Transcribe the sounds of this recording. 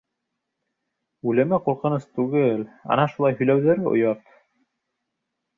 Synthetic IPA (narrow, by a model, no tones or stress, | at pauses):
ʉlɘ̆mɘquɾqɤ̆nɤst̪ʉɡɘlɑ̰nɑʃulˠɑjɦɵ̆jlæwðæɾɘ̰ʔo̰jɑp̪